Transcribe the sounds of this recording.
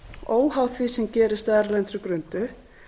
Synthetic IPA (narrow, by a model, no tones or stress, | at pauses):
oːwhawθvisɛmcɛːɾɪst̪ɛɾlɛnt̪ɾʏkɾʏnt̪ʏ